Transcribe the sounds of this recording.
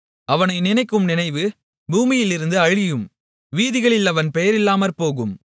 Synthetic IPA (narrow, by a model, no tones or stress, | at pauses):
ɐʋɐnɐɪnɪnɐɪkːɯmnɪnɐɪʋɯ | buːmɪjɪlɪɾɯnd̪ɯɐɻɪjɯm | ʋiːðɪɣɐɭɪlɐʋɐnpɛjɐɾɪlːaːmɐɾpoːɣɯm